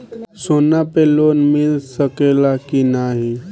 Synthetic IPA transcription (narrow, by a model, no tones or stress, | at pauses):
sonapeloːnmilsəkelakinaɦi